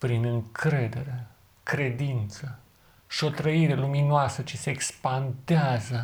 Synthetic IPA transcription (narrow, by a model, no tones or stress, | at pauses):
pɾinɨŋkɾe̞d̪e̞ɾe | kɾe̞d̪int̪sə | ʃio̞t̪ɾəiɾe̞luminoasət͡ʃese̞ːkspant̪eazə